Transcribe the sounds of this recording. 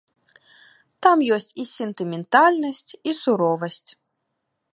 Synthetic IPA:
t̪amjɔsʲt͡sʲisʲɛnt̪ɨmʲɛnt̪alʲnɐsʲt͡sʲisuɾɔvɐsʲt͡sʲ

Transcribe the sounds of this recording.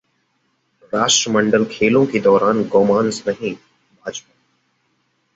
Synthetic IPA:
ɾaːʃʈɾəməɳɖəlkʰeːlõːked̪ɔːɾaːnɡɔːmaːnsnəɦĩː | bʱaːd͡ʒpaː

